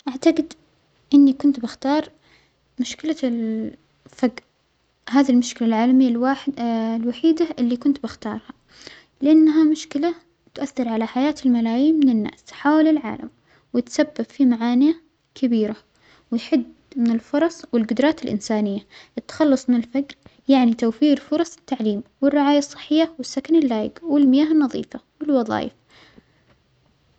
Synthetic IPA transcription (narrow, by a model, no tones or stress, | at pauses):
ʔaʕt̪aɡɪd̪ | ʔɪnːikʊnt̪bɪxt̪ɑːɾˤ | mʊʃkɪlal | faɡ | ɦaːðilmʊʃkɪlalʕaːlamɪjːaw | lwaħiːd̪aʔɪlːikʊnt̪bɪxt̪ɑ̰ːɾˤha | lɪʔanːaɦamʊʃkɪla | t̪ʔaθːɑɾˤʕalaħajaːt̪ɪlmalaːjiːmːɪnɪnːa̰ːsħaːwalɪlʕa̰ːla̰m | wɪt̪sabːab̥fimaʕaːnɪja | kʰɪbiːɾa | wɪjħɪd̪ | mɪnɪlfʊɾˤɑsˤwɪlɡʊd̪ɾˤɑːt̪ɪlʔɪ̰nsaːnɪjːaʔɪt̪ːḁxɑlːɑsˤmɪnɪlfaɡɾjaʕnit̪awfiːɾfʊɾˤɑsˤɪ̥t̪ːaʕliːmwɪrːɪʕaːjasˤːɨ̥ħːɪjːawɪsːakanɪlːaːjɪ̰ɡwɪlmɪjaːɦɪnːɑðˤḭːfawɪlwɑðˤɑ̰ːjɪ̰f